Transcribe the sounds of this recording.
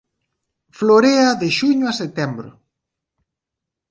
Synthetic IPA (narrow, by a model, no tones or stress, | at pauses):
floɾeɐðeʃuɲʊaset̪ɛmbɾʊ̰